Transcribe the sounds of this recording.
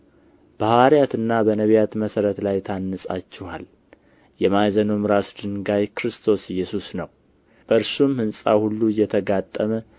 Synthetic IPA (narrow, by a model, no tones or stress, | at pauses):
b̥ahaɾijat̪ɨnːabənəβjat̪məsəɾət̪lajt̪ʰanːəsʼa̰t͡ʃːɪha̰l | jɛmajzənomɾasd̪ɨnɡajkɾɨst̪ʰo̞sjːɛsusnəw | b̥əɨɾsumhɨnsʼa̰hulːuɨjːɛt̪ʰəɡat̪ʼːəmə